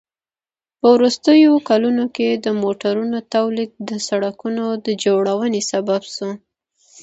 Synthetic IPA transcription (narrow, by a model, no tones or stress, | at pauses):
pəwɾust̪əjokalunoked̪əmoʈaɾunot̪awlid̪̚d̪əsaɽakunod̪əd͡ʒoɽawənesababsu